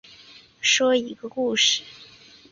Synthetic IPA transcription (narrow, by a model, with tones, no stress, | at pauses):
ʂwɔ˥i˧˥ɡə˧ku˥˩ʂɻ̩˨˩